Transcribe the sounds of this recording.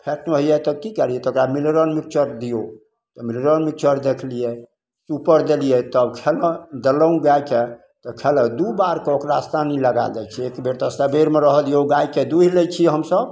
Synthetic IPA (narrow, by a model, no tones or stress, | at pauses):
pʰɛʈnɦijɛt̪əb̚kikəɾijɛt̪okɾamilɾənmik̚t͡ʃəɾd̪ijo | t̪ɔmilɾənmik̚t͡ʃəɾd̪ekʰlijɛ | supəɾd̪elijɛt̪əbkʰeləd̪ələũɡajke | t̪ɔkʰeləd̪ubaɾkeokɾast̪ʰaniləɡa̰ld͡ʒa̰jt͡ʃʰɛekbeɾt̪əsəbeɾmeɾəɦəd̪ijoɡajked̪uɦilejt͡ʃʰiɦəmsəb